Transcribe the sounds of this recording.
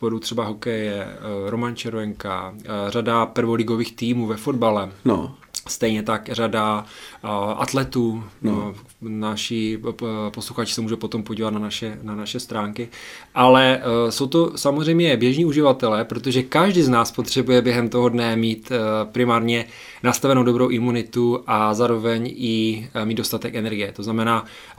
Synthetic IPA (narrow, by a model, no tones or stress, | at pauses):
poɾut̪r̥ɛbaɦo̞kɛjɛɾo̞mant͡ʃɛɾvɛŋka̰r̝adapr̩vo̞lɪɡo̞viːxt̪iːmuːvɛfo̞dbalɛ̰ | st̪ɛjɲɛt̪akrada | ʔa̰t̪lɛt̪uː | naʃɪposluxat͡ʃɪ̥sɛmuːʒɛpo̞t̪o̞mpoɟiːvat̪̚nanaʃɛnanaʃɛst̪ɾaːŋkɪʔalɛsowt̪o̞samozrɛjmɲɛbjɛʒɲiːuʒɪvat̪ɛlɛːpɾo̞t̪oʒɛkaʒdɪznaːspo̞t̪r̝̥ɛbujɛbjɛɦɛmt̪o̞ɦodnɛmiːt̪pɾɪmaːɾɲɛ | nast̪avɛnowdo̞bɾowʔɪmunɪt̪uʔazaːɾo̞vɛɲɪmid̪do̞st̪at̪ɛkɛnɛɾɡɪjɛt̪o̞znamɛnaː